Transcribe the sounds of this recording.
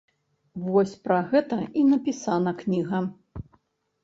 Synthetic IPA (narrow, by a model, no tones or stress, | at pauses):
vɔsʲpɾaɣɛt̪ɐinɐpʲisanɐknʲiɣɐ